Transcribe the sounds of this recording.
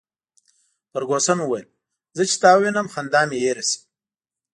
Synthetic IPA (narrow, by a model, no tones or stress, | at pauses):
pəɾɡosanwuwajil | zət͡ʃi̥t̪ɑːwinəmxand̪ɑːmijeɾɐsi̥m